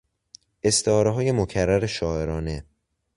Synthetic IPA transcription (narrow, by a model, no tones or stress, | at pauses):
e̞st̪ʰehɒːɾeɦɒːje̞mocʰærːæɾeʃɒːeɾɒːne̞